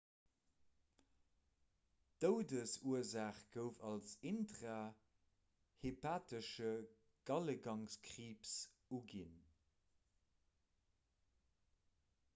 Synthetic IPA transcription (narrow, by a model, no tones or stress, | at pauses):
d̥əʊdəsuəzaːχɡ̥əʊfɑlsintʁaː | hepʰaːtəʃə | ɡ̥ɑləɡɑŋskʀiːps | uɡin